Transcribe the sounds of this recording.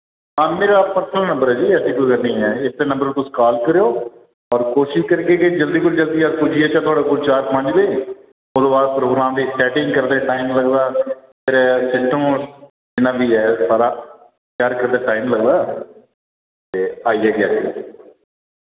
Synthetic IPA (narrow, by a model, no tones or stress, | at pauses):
ɦãːmeːɾaːpəɾsʰəlaːnə̃mbəɾɛːd͡ʒiːɛsiːkʊlkənĩːɛːɪt̪ːenə̃mbəɾt̪ʊ̃skaːlkəɾeoː | ɔːɾkoːʃɪʃkəɾkeːked͡ʒəld̪iːk̬ʊld͡ʒəld̪iːaːpʊd͡ʒiːɛːt͡ʃãt̪ʰʊaːɽaːkʊd͡ʒt͡ʃaːɾmə̃ɳd͡ʒd̪eː | oːd̪õːbaːd̪̚pɾoːɡɾãːmd̪iːsʈɛːʈɪ̃ŋɡkəɾd̪eːʈaːimləɡd̪aːt̪eːɾesɪsʈʰə̃m | d͡ʒɪnãːbiːɛːsaːɾaː | kjaːɾkəɾd̪aːʈaːimləɡd̪aː | t̪eːaːiːɛːɡɪaːsi